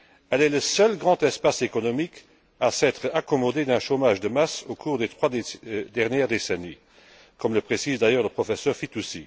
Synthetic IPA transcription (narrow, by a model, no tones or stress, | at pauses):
ɛlɛləsœlɡʁɑ̃t̪ɛspasekɔnɔmik | asɛːt̪χakɔmɔd̪ed̪ɛ̃ʃomaʒd̪əmasokʰuːʁd̪et̪χwad̪ɛʁnjɛːʁd̪eseni | kɔmləpχesiːzd̪ajœːʁləpχɔfɛsœːʁfit̪usi